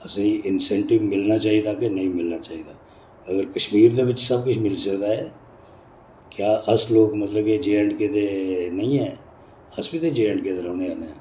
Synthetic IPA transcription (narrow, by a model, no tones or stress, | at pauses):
əseiɪnsɛ̃ːɳʈɪbmɪlnat͡ʃaːɦid̪aːkenɐĩmɪlnat͡ʃaːid̪aː | ɐɡəɾkəʃmiːɾd̪eʋɪt͡ʃsɐb̚kʊt͡ʃʰmɪlsəkd̪aɦɛː | kjaːʔəsloːɡmət̪ləbked͡ʒeːə̃ɳʈket̪enɐɦĩɦɛ̃ː | əsbit̪ed͡ʒeːəɳʈket̪eɾɦõːneaːneɦɛ̃ː